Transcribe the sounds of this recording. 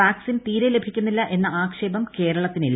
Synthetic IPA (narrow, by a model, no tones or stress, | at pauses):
aːksint̪iːɾele̞bʱikʲːunːilːɐʔe̞nːɐaːkʂe̞ːbɐmke̞ːɾɐɭɐt̪ːinilː